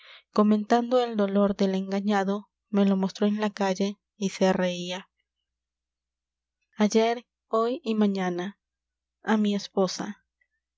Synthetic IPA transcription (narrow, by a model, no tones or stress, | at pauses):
ko̞mẽ̞nt̪and̪o̞e̞ld̪o̞lo̞ɾðe̞le̞ŋɡaɲaðo̞ | me̞lo̞mo̞st̪ɾo̞enlakaʝe̞ | ise̞re̞ia | aʝe̞ɾ | o̞jimaɲana | amiespo̞sa̰